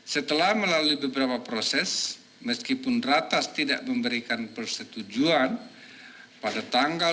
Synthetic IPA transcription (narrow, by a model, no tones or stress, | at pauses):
sət̪əlahməlaluibəbəɾapapɾosɛs | məskipʊnrat̪ast̪ida̰ʔməmbəɾikanpərsət̪ud͡ʒuan | padat̪aŋɡa